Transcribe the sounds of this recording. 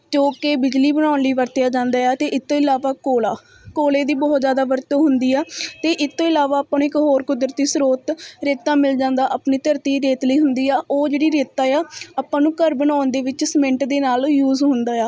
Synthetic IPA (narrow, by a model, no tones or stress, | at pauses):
t͡ʃoːkeːbɪd͡ʒliːbəñaːnliːʋəɾt̪jaːd͡ʒãːnd̪aːjɛːt̪eːʔɪt̪ʰːõːɪlaːʋaːkoːlaː | koːleːd̪iːbɔːt̪d͡ʒjaːd̪aːʋəɾt̪õːɦʊnd̪iːɛːt̪eːʔɪt̪ʰːõːɪlaːʋaːaːpːãːñːɪkɦoːɾkʊd̪ɾət̪iːsɾoːt̪ɾeːt̪ːãːmɪld͡ʒãːnd̪aːʔaːpniːt̪əɾt̪iːɾeːt̪ləiːɦʊnd̪iːaːʔoːd͡ʒeːɽiːɾeːt̪ːaːjaːaːpːãːnũːkəɾbənãːnd̪eːʋɪt͡ʃsmɪ̃ɳʈd̪eːnaːljuːzɦʊnd̪aːjaː